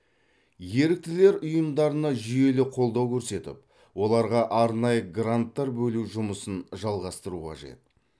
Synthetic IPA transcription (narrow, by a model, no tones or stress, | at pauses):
je̞ɾɪk̚t̪ɪle̞ɾʊjəmd̪ɑɾənɑʒʏje̞lɪqʰo̞lˠd̪ɑwkʲʰɵɾse̞t̪ɪ̰p | wo̞lˠɑɾʁɑʔɑɾnɑjəɡrant̪ːɑɾbɵluʒʊməsənʒɑlˠʁɑst̪əɾuqʰɑ̰ʒe̞̰t̪̚